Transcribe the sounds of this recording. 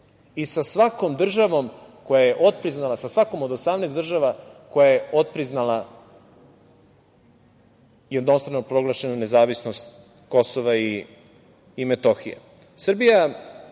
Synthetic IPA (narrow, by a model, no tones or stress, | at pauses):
isasʋakomd̪r̩ʒaʋo̞mkojajeʔo̞t̪̚pɾiznalasasʋako̞mod̪osamnesd̪rʒaʋako̞jajeo̞t̪̚pɾiznala | jed̪no̞st̪ɾanopɾo̞ɡlˠaʃe̞nune̞zaːʋisnost̪ | ko̞soʋaiː | met̪o̞xḭjḛ | sr̩bija